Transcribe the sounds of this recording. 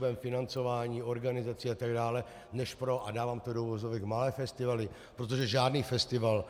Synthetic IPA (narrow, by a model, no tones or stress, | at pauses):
vɛmfɪnant͡so̞vaːɲiːo̞ɾɡanɪzat͡siːat̪aɡdaːlɛ | nɛʃpɾo̞ʔadaːvaːmt̪odovozovɛɡmalɛːfɛst̪ɪvalɪ | pɾo̞t̪̬o̞ʒɛʒaːdniːfɛst̪ɪval